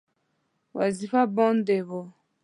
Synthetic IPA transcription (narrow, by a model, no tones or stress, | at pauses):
waziɸabɔ̃ndeβɔ